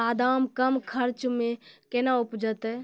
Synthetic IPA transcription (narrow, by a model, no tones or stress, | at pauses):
aːd̪aːmkəmkʰəɾt͡ʃmẽkenaupd͡ʒət̪ɛ